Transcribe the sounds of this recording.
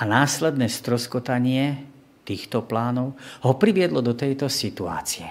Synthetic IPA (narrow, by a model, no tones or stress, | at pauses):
ʔanaːslɛd̪nɛːst̪ɾɔskɔt̪aɲɪɛ | t̪iːxt̪ɔplaːnɔʊɦɔpɾiʋɪɛd̪lɔd̪ɔt̪ɛjt̪ɔsit̪ua̰ːt͡siɛ